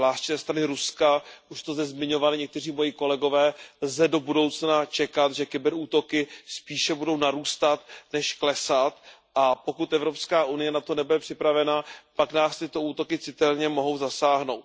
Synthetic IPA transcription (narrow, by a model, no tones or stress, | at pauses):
laːʃcɪzɛːst̪ɾanɪɾuskaʔuʃt̪ozd̪ɛzmɪɲo̞valɪɲɛk̚t̪ɛriːmo̞jɪko̞lɛɡo̞vɛːlzɛdo̞budo̞wt͡snat͡ʃɛkat̪ʒɛkɪbɛɾuːt̪o̞kɪspiːʃɛbudo̞wnaɾuːst̪at̪nɛʃklɛsat̪ʔapo̞kut̪ʔɛvɾopskaːʔunɪjɛnat̪o̞nɛbudɛpr̥ɪpɾavɛnapaknaːst̪ɪt̪o̞uːt̪o̞kɪt͡sɪt̪ɛlɲɛmo̞ɦo̞wzasaːɦno̞wt̪